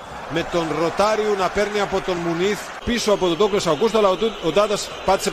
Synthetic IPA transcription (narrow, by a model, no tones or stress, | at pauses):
met̪onrot̪aɾjunapeɾnjapot̪onmuniθ | pisoapot̪ot̪oklesawkust̪olawt̪ut̪od̪aðas | pat͡se